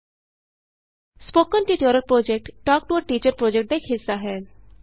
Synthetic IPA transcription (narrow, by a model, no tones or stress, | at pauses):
spoːkənʈiːʈəɾəɾpɾoːd͡ʒɛk̚ʈʈɔːk̚ʈuəɾʈiːt͡ʃəɾpɾoːd͡ʒɛk̚ʈ̚d̪aːɪkʰɦɪsːaːɦɛː